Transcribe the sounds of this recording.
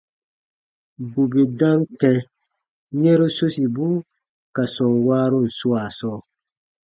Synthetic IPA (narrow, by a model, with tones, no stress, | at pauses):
bu˨be˨dã˦ntɛ̃˧ | ɲɛ̃˦ɾo˦so˦si˨bu˦ | ka˨sɔ̃˨ŋwaː˦ɾo˦n̩˨su˦a˨sɔː˦˨